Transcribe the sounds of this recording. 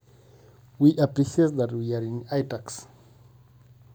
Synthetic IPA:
wiʔapɹiʃiet̚ðatwiaɾĩnajtaks

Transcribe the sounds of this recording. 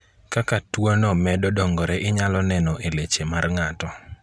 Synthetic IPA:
kakatwonɔmɛdɔdɔŋɡɔɾɛʔɪɲalɔnɛnɔʔelet͡ʃemarŋatɔ

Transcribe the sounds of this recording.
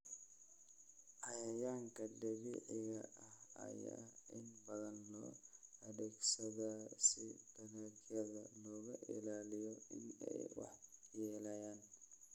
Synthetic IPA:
ʔɐjɐjaːŋkʰɐdɛɣɪʔɪɣɐʔɐhɐ̰ja̰ɪnbɐðɐnːɔ̰ːɐðɛːɡsɐðasɪbɐnɐɡjɐðɐlɔːɣɐʔɪ̰laːlɪjɔɪnɛ̰jwɑ̰ħjɛːlɐjaːn

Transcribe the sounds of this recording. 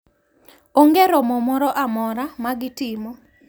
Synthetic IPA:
oŋɡeɾɔmɔmɔɾɔʔamɔɾamaɡɪtɪmo

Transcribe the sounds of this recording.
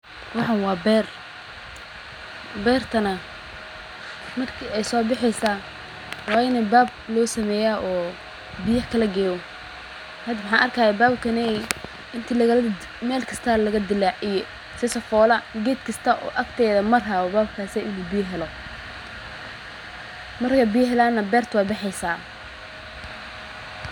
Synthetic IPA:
wɑħɑnwɑːbɛːr | bɛːrt̪ʰɐnɐ | mɐrkʰiɛjsɔːbɪħɛjsa | wɑːjɪnɐbaːb̚lɔːsɐmɛːjaːʔɔː | bɪjɐħkʰɐlɐɡɛːwɔ | hɐd̪wʊħɑːnʔɐrkʰaːjɛbaːbkʰɐnɛ | ɪnt̪ʰiːlɐɣɐ | mɛːlkʰɐ̥st̪ʰaːlɐɣɐd̪ɪlaijɔ | sɪsɐfɔːlɐɡɛːd̪kʰɐst̪ʰɐʔɔ̰ːʔɐkt̪ʰɛːðɐmɐraːɔbaːb̚kʰaːsɛʔɪnuːbɪjɐɦɛlɔ | mɐrkʰɐbɪjɐɦɛlaːnɐbɛːrt̪ʰwaːbɪħɛjsaː

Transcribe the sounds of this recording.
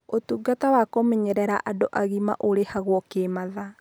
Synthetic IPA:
otuːɡatawakomeɲɛɾɛɾaʔadoʔaɣima̰ʔoɾehaɣwɔkemaða

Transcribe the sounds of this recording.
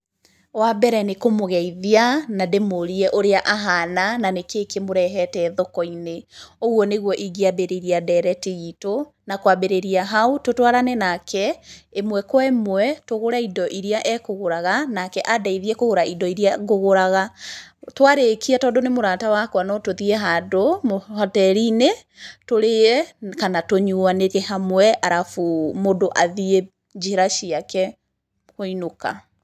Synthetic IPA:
wabɛɾɛnekomoɣɛiðianademoɾiɛʔoɾeaʔaɦanananekekemoɾɛɦɛtɛːðokɔineoɣwɔneɣwɔʔiɡeabeɾeɾiadɛɾɛteɣito | nakwabeɾeɾiaɦaototwaɾanɛnakʰɛemwɛkwɛmwɛtoɣoɾaidɔʔiɾeaʔɛkoɣoɾaɣanakɛʔadaiðiɛkoɣoɾaidɔiɾiaɣoɣoɾaɣatwaɾekiatɔːdonemoɾatawakwanɔtoðieɦadomhatɛɾine | toɾekanatoɲuaneɣɛɦamwɛʔaɾafumodoʔaðie | ɲd͡ʒiɾaʃiakɛ | hoinoka̰

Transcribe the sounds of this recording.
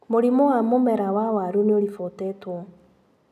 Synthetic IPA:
moɾimowamomɛɾawawaɾuneoɾifotɛtwɔ

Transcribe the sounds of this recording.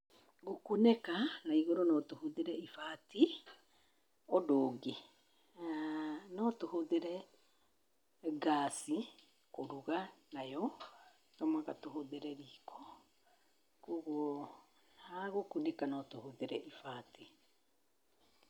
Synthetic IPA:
ɡokunekanaiɣoɾɔnɔtohoðeɾɛifaːti | ɔdoːɡe | nɔtohoðeɾɛ | ɡaːsi | koɾuɣanajɔ | ɡamwaɣatoɦoðeɾɛɾiːkʰɔ̥ | kuɣwɔ | naɣokunekanɔtohoðeɾɛʔifaːti

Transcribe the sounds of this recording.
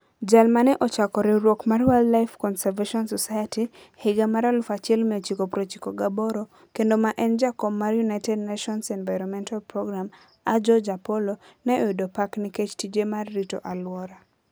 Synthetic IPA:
d͡ʒalmanɛʔɔt͡ʃakɔɾɪɾwokmarwɛldlajfkɔnsɛɾveʃɔnsɔsajati | hɪɡamaɾalʊfat͡ʃɛlmɛt͡ʃikopɾot͡ʃikoɡabɔɾo | kendomaʔɛnd͡ʒakɔbmarjunaɪtɛd̚naʃɔnsɛnvajɾɔnmɛntalpɾɔɡɾam | ad͡ʒɔd͡ʒapɔlonɛʔidopaknɪket͡ʃtid͡ʒemarːito̰ʔalwɔɾa

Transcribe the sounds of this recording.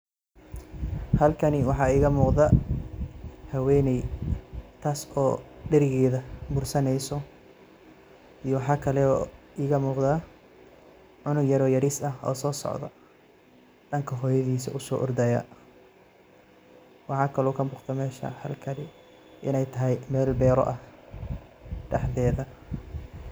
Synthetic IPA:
hɐlkʰɐnɪwɑħɑːiːɣɐmuːqðɐ | hɐwɛːnɛj | t̪ʰaːsɔːɖɛɾɪɣɛːðɐbʊrsɐnɛjsɔ | ijɔwɑħɑːkʰɐlɛɔːʔɪːɣɐmuːqðaː | ʕʊnʊɡjɐɾɔːjɐɾiːsɐɦɔ̰ːsɔːsɔ̰ʕðɐ̰ | ɖɐŋkʰɐɦɔːjɐðiːsɐ̰ʔʊsɔːʔɔrd̪ɐjɐ̰ | wɑħɑːkʰɐlɔːkʰɐbʊːqt̪ʰɛmɛːʃɐ̰hɐ̰lkʰɐlɪ | ʔɪnɛjt̪ʰɐɦɛjmɛːlbɛːɾɔ̰ʔɐh | ɖɐħðɛːðɐ

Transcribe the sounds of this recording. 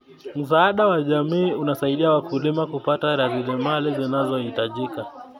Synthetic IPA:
m̩saaɗawaʄamiːunasaiɗiawakulimakupataɾazilɛmalizinazɔhitaʄika

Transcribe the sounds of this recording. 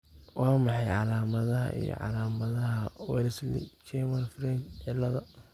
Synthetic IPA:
wɑːmɑħɑjʕɑlaːmɐðɐɦɐ̰ʔḭjɔ̰ʕɑ̰laːmɐðɐɦɐwɛ̰lslḭt͡ʃɛmɐnfɾɛnt͡ʃʕɪlːɐðɐ

